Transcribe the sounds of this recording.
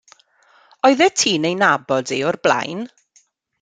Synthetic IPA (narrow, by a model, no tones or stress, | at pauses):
ɔɨðɛtʰiːnejnabɔdiɔrblˠa̰jn